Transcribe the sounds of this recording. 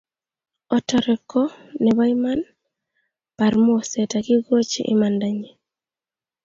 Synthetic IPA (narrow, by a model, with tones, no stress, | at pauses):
ɔ˨tɔɾɛ˨kɔ˦nɛ˨ba˦jma˦n | pa˨ɾmo˦sɛta˨kɪ˦ɡo˦t͡ʃḭ˦ʔɪ̰˦ma˨ndaɲe˨